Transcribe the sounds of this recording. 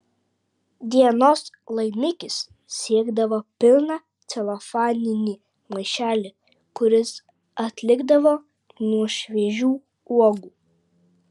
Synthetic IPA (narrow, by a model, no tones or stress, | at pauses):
d̪ʲiɛnoːs | lˠɐɪmʲɪkʲɪs | sʲiɛɡd̪ɐʋopʲɪlˠnɑː | t̪sʲɛlˠɐfɑːnʲɪnʲiː | mɐɪʃʲæːlʲɪ | kʊɾʲɪs | ɐt̪ʲlʲɪɡd̪ɐʋoː | nuɔʃʲʋʲeʒʲuː | uɔɡuː